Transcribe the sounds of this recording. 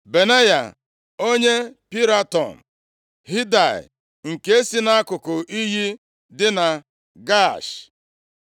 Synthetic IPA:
be˨ne˦ja̰˨ | o˦ɲe˦pi˦ɾa˦tɔ˨n̩˨ | ɦi˦da˨ɪ̰˨ | ŋ̩˨ke˨e˦si˦na˦a˦kʊ˨kʊ˨ʔi˦ɦi˦ | dɪ˦na˨ | ɡa˦˨ʃ

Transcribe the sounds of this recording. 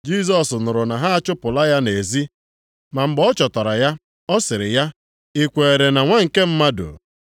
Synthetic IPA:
d͡ʒi˦˨s̬ɔ˨snʊ˨ɾʊ˨na˨ɦa˦a˦t͡ʃʊ˦pʊ˨la˦ja˦ne˨zi˦ | ma˨m̩˦ɡ͡bɔ˦t͡ʃɔ˨tɔ˨ɾa˨ja˦ | ɔ˦sɪ˨ɾɪ˨ja˦ | i˦kʷe˨e˨ɾe˨na˨ŋʷa˦ŋ̩˨ke˦m̩˦ma˦do̰˨

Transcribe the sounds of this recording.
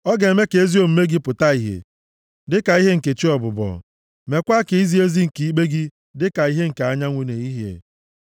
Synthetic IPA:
ɔ˦ɡe˨e˨me˦ke˨e˦zi˦o˨m̩˦me˦ɡi˦pʊ˨ta˦i˨ɦḛ˨ | dɪ˦ka˨i˦ɦe˦ŋ̩˨ke˨t͡ʃi˦ɔ˨bʊ˨bɔ̰˨ | me˨kʷa˦kɪ˨i˦zi˦e˦zi˦ŋ̩˨ki˨i˦ɡ͡be˦ɡi˦ | dɪ˦ka˨i˦ɦe˦ŋ̩˨ka˨a˦ɲa˦ŋʷe˨ne˨i˦ɦḛ˨

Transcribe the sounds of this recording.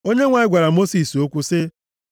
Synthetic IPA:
o˦ɲe˦ŋʷa˨ɪ˦ɡʷa˨ɾa˨mo˦si˨so˦kʷu˦sɪ˦

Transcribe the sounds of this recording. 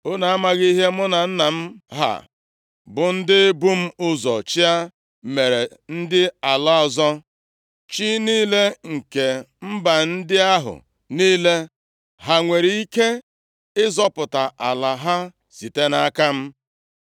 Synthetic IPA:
ʊ˦na˨a˦ma˨ɣi˦ɦe˦mʊ˦na˨n̩˦na˨m̩˦ɦa̰˨ | bʊ˨n̩˦dɪ˦bu˦m̩˦ʊ˦zɔ˨t͡ʃi˦a˦ | me˨ɾe˨n̩˦dɪ˦a˨la˦ɔ˨zɔ˦ | t͡ʃi˦niː˦le˦ŋ̩˨ke˨ | m̩˦ba˨n̩˦dɪ˦a˦ɦʊ̰˨ | niː˦le˦ | ɦa˨ŋʷe˨ɾi˨i˦ke˦ | ɪ˦zɔ˦pʊ˨ta˨ʔa˨la˨ɦa˦ | si˨te˦na˦ka˦m̩˦

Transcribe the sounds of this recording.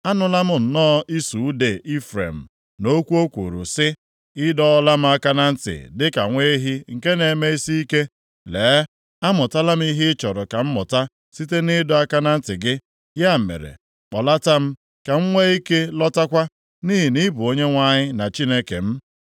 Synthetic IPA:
a˦nʊ˦la˦mʊ˦n̩˨nɔː˦ʔi˦su˨u˦de˨ʔi˦fɾḛ˨m̩˨ | no˦kʷu˦o˦kʷṵ˨ɾṵ˨sɪ˦ | ɪ˦dɔ˦la˦m̩˦a˦ka˦na˦n̩˦tɪ̰˨dɪ˦ka̰˨ŋʷe˦i˦ɦi˦ŋ̩˨ke˦ne˨me˦i˦si˦i˦ke˦ | le˨˦ | a˦mʊ˨ta˦la˦m̩˦i˦ɦɪ˦t͡ʃɔ˨ɾɔ˨ka˨m̩˦mʊ˨ta˦ | si˦te˦nɪ˦dɔ˨a˦ka˦na˦n̩˦tɪ˨ɡɪ˦ | ja˦˨mḛ˨ɾḛ˨ | k͡pɔ˨la˦ta˦m̩˦ | ka˨ŋ͡m̩˦ŋʷe˦i˦ke˦lɔ˦ta˦kʷa˦ | niː˦ɦi˨ni˦bʊ˨o˦ɲe˦ŋʷa˦ɲɪ˦na˨t͡ʃi˦ne˦ke˨m̩˦

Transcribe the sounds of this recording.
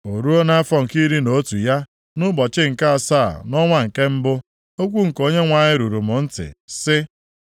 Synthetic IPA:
o˨ɾu˦o˦na˦a˦fɔ˨ŋ̩˨ki˦ɾi˦no˨˦tu˨ja˦ | nʊ˦bɔ˨t͡ʃɪ˦ŋ̩˨ka˦a˨sa̰ː˦˨nɔ˦ŋʷa˦ŋ̩˨ke˦m̩˦bʊ˦ | o˦kʷu˦ŋ̩˨ko˦ɲe˦ŋʷa˨ɲɪ˦ɾu˨ɾu˨mʊ˨n̩˦tɪ̰˨sɪ˦

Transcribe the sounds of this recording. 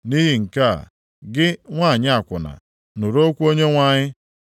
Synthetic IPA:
ni˦ɦi˨ŋ̩˨ka̰˦˨ | ɡɪ˦ŋʷa˦˨ɲɪ˦a˨kʷʊ˨na̰˨ | nu˨ɾo˦kʷu˦o˦ɲe˦ŋʷa˦˨ɲɪ˦

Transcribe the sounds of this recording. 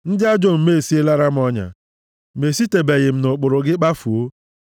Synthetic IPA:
n̩˦dɪ˦a˦d͡ʒo˦m̩˨me˦˨si˦e˦la˦ɾa˦m̩˦ɔ˦ɲa̰˨ | me˨si˦te˨be˨ɣɪ˨m̩˨nʊ˨k͡pʊ˨ɾʊ˨ɡɪ˦k͡pa˦fu˨o˦

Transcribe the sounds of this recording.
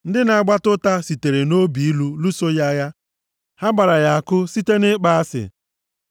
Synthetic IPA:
n̩˦dɪ˦na˨a˦˨ɡ͡ba˦tʊ˦ta˦si˨te˨ɾe˨no˦bi˨i˦lu˦lu˦so˦ja˦ja˦ | ha˦ɡ͡ba˨ɾa˨ja˨a˨kʊ˦si˦te˦nɪ˦k͡pa˦a˦sɪ̰˨

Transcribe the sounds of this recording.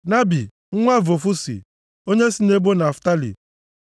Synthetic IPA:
na˦bi˨ | ŋ̩˦ŋʷa˦vo˨fu˦sḭ˨ | o˦ɲe˦si˦ne˦bo˦na˨fta˦lḭ˨

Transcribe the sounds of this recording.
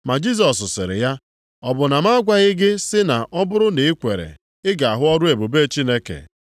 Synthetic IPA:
ma˨d͡ʒi˦s̬ɔ˨s̬sɪ̰˨ɾɪ̰˨ja˦ | ɔ˨bʊ˨na˨ma˦a˦ɡʷa˦ɣɪ˦ɡɪ˦sɪ˦na˨ʔɔ˦bʊ˦ɾʊ˦ne˨ɪ˦kʷe˨ɾḛ˨ | ɪ˦ɡa˨a˨ɦʊ˦ɔ˦ɾʊ˦e˨bu˨be˦˨t͡ʃi˦ne˦kḛ˨

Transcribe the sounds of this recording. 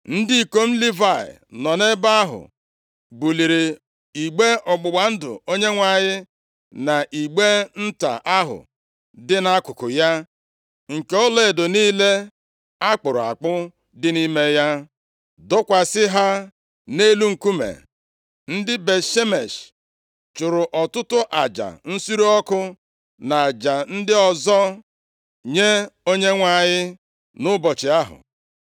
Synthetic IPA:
n̩˦dɪ˦i˨ko˦m̩˦li˦va˦˨ɪ̰˨nɔ˨ne˦ba˦a˦ɦʊ̰˨ | bu˨li˨ɾi˨ | i˨ɡ͡be˦ʔɔ˨ɡ͡bʊ˨ɡ͡ba˨n̩˦dʊ̰˨o˦ɲe˦ŋʷa˨ɲɪ˦ | na˨ʔi˨ɡ͡be˦n̩˦ta̰˨ʔa˦ɦʊ̰˨ | dɪ˦na˦kʊ˨kʊ˨ja˦ | ŋ̩˨ke˨˦ɔ˦le˨e˨dʊ˨niː˦le˦ | a˦k͡pʊ˨ɾʊ˨a̰˨k͡pʊ˦ | dɪ˦ni˦me˦ja˦ | dʊ˦kʷa˨sɪ˦ɦa˦ | ne˦lu˦ŋ̩˨ku˦mḛ˨ | n̩˦dɪ˦be˨ʃe˦me˨ʃ | t͡ʃʊ˨ɾʊ˨ʔɔ˨tʊ˦tʊ˦ʔa˨d͡ʒa̰˨n̩˦su˦ɾu˦ɔ˦kʊ˦ | na˨d͡ʒa˨n̩˦dɪ˦ɔ˨zɔ˦ | ɲe˦o˦ɲe˦ŋʷa˨ɲɪ˦ | nʊ˦bɔ˨t͡ʃɪ˨a˦ɦʊ̰˨

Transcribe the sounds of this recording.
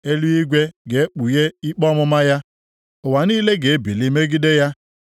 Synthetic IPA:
e˦lu˦i˦ɡʷe˦ɡe˨e˦k͡pu˨je˦i˦k͡pɔ˦mʊ˦ma˦ja˦ | ʊ˨wa˨niː˦le˦ɡe˨e˦bi˨li˦me˦ɡi˦de˦ja˦

